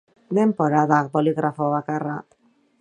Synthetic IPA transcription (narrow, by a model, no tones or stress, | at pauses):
d̪e̞mpo̞ɾaðak̚bo̞liɣɾʔafo̞βakara